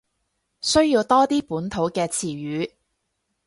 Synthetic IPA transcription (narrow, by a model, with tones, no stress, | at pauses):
sɵ˥ɥjiː˧wt̪ɔː˥t̪iː˥puː˨˥nt̪ʰo˨˥wkɛː˧t͡sʰiː˨˩jyː˨˧˥